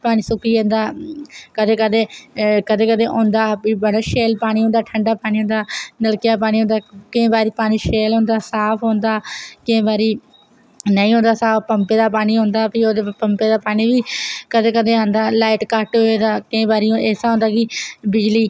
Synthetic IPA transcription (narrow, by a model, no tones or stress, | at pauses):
paːñiːsʊkiːõːnd̪aːkəd̪eːkəd̪eːkəd̪eːkəd̪eːʔõːnd̪aːpiːbəɽaːʃeːlpaːɽ̃iːɦõːnd̪aːʈʰəɳɖaːpaːɽ̃iːɦõːnd̪aːnəlkjaːp̬aːɽ̃iːɦõːnd̪aːkɪẽːbaːɾiːpaːñiːʃeːlɦõːnd̪aːsaːpʰɦõːnd̪aːkẽːbaːɾiː | nəĩːɦõːnd̪aːsaːppəmpeːd̪aːpaːɽ̃iːɦõːnd̪aːpiːoːd̪eːpəmpeːd̪aːpaːɽ̃iːʋiːkəd̪eːkəd̪eːãːnd̪aːlaːɪʈkəʈɦoeːd̪aːkɪẽːbaːɾiːõeːsaɦõːnd̪aːkɪbɪd͡ʒliː